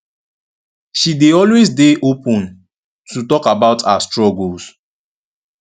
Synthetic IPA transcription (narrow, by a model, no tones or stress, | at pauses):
ʃideɔlwezdeʔopɔ̃n | tutɔkabaʊtʰa̰stɹɔɡols